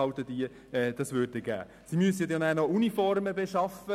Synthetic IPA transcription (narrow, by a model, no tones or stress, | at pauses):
ɑwt̪əd̥iə | ɛːd̥̪ɑsʋøːɾt̚deɡ̥æ̰ː | simyəsəɛtjɑnæːnɔunifɔrməbeʃɑfə